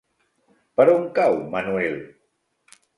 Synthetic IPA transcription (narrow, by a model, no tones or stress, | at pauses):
pəɾoŋkawmanuɛl